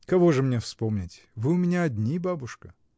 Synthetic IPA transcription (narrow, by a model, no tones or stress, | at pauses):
kɐvo̞ʐɨmnʲefspomnʲɪtʲ | vɨʊmʲɪnʲaɐdʲnʲibabʊʂkə